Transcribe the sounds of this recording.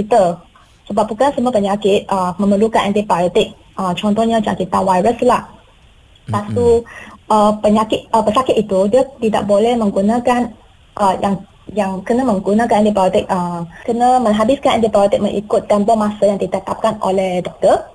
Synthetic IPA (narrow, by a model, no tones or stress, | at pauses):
kit̪ə | səbap̚bukansəmupəɲakɪt̪̚ʔəmə̃məlukanʔɛ̰ndipalit̪ɪk̚ | ʔət͡ʃɔnt̪ɔɲãt͡ʃa̰kit̪awaɾəslah | pasuʔəpəɲakɪt̪̚əpəsakɪt̪̚it̪udiət̪ida̰ʔ̚bolɛhmə̃ŋɡunãkan | ʔəjʔaŋ | jaŋkənamə̃ŋɡunãkanɛ̃ndipaɔt̪ɪk̚əkənãmə̃ŋɦabɪskanɛ̰ndipajit̪ɪk̚məŋʔḭkʊt̪ːɛmbɔmasəjaŋd̪it̪ət̪ap̚kano̰lɛhdɔk̚t̪ə